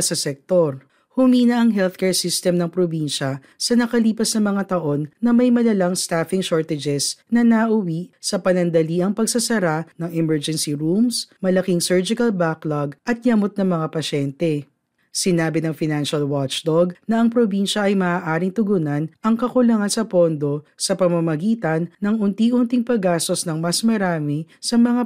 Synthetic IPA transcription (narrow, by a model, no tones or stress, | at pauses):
sɐsɛk̚t̪oɾ | hʊmiːnɐʔɐŋɦɛlθkɛɹsist̪ɛmnɐŋpɾobinʃɐ | sɐnɐkɐliːpɐsnɐmɐŋat̪ɐʔo̞nːɐmɐjmɐlɐlaŋst̪afɪŋʃoɹt̪ɛd͡ʒɛsnɐnɐʔʊwisɐpɐnɐnd̪ɐliːʔɐŋpɐɡsɐsɐɾanɐŋɛmɛɹd͡ʒɛnsiɾumsmɐlɐkiŋsɛɹd͡ʒɪkɐlbaklaɡʔɐt̪̚jɐmot̪̚nɐŋmɐŋapɐʃɛnt̪ɛ | sɪnaːbɪnɐŋfɪnanʃɐlwat͡ʃd̪oɡnɐʔɐŋpɾobinʃɐʔɐjmɐʔaːʔaːɾɪŋt̪ʊɡunɐnʔɐŋkɐkʊlɐŋansɐpo̞nd̪o̞sɐpɐmɐmɐɡiːt̪ɐnːɐŋʔʊnt̪iʔʊnt̪iŋpɐɡaːst̪o̞snɐŋmɐsmɐɾaːmɪsɐmɐŋa